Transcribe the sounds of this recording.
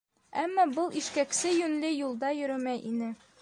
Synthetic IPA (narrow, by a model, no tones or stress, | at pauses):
æmːɑbɤlˠiʃkæksɘjʉnlɘjulˠd̪ɑjɵ̆ɾɵmæjʔḭnɘ